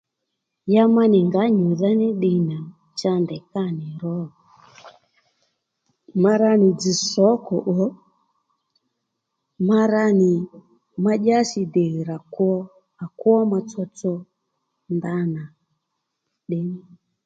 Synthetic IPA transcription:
ja˦ma˦ni˨ŋɡa˨˦ɲu˨ða˦nɛ˦ɗi˨na˨ | t͡ʃa˦ndɛ˨ka˦˨nɛ˨ɾɔ˦ɔ˨ | ma˦ɾa˦ni˨d͡zi˨sɔ˨˦kɔ˨ʔɔ˨˦ | ma˦ɾa˦ni˨ | ma˦ʄa˦si˨dɛ˨ɣɾa˨ku˦ɔ˦ | a˨ku˦ɔ˦ma˧t͡sɔ˦t͡sɔ˦ | nda˦na˨ | ɗɛ˦ni˦

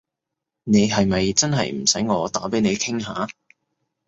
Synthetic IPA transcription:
ne˨˧jɦɐ˨jmɐ˨jt͡sɐ˥nɦɐ̰˨jm̩˨˩sɐ˨˥jŋɔː˨˧t̪aː˨˥pe˨˥jne˨˧jkʰɪ˥ŋɦaː˨˥

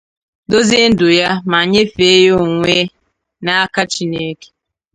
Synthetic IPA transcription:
do˦zi˦n̩˦dʊ˨ja˦ma˨ɲe˦fe˦jo˦ŋʷe˦ | na˦a˦ka˦t͡ʃi˦ne˦ke̥˦

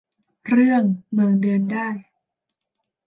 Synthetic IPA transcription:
ɾɯ˥˩əŋmɯː˧ŋdɤː˧ndaː˥˩j

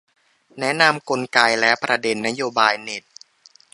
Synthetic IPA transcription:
nɛ˦˥na˧mko˧nkaː˧jlɛː˦˥wpɾa˧de˧nːa˦˥joː˧baː˧jne˨˩t̪̚

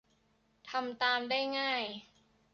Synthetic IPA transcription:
t̪ʰa˧mt̪aː˧mdaː˥˩jŋaː˥˩j

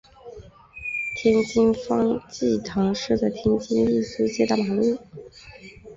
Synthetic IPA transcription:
t̪ʰjɛ˥nt͡ɕi˥ŋfɑ˥ŋt͡ɕi˥˩t̪ʰɑ˧˥ŋʂɻ̩˥˩t͡sa˥˩ɪt̪ʰjɛ˥nt͡ɕi˥nli˥˩sɹ̩˥t͡ɕjɛ˥˩d̪ə˨˩ma˨˩lu˥˩

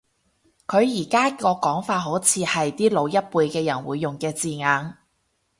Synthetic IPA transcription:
kʰɵ˨˧ɥjiː˨˩kaː˥kɔː˧kɔː˨˥ŋfaː˧t̚ɦo˨˥wt͡sʰiː˨˧hɐ˨jt̪iː˥lo˨˧wjɐ˥t̚puː˧jkɛː˧jɐ̰˨˩nwuː˨˧jːʊ˨ŋkɛː˧t͡siː˨ŋaː˨˧ŋ

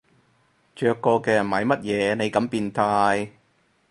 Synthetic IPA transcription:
t͡ʃœː˨kːɔː˧kɛː˧jɐ˨˩nmɐ˨˧jmɐ˥t̚jɛː˨˧ne˨˧jkɐ˨˥mpiː˧nt̪ʰaː˧j

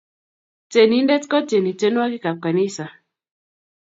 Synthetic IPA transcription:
t͡ʃe˨ni˨˦ndɛ˦tkɔ˦t͡ʃe˨ni˨t͡ʃe˦nwa˦ki˦ka˨p̚ka˨ni˦sa˨

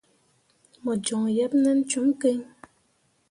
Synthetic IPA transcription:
mɔ˨d͡ʒɔ˨ŋjɛ˦p̚nɛ˦n̩˦t͡ʃu˨˦m˦ke˦ɲ

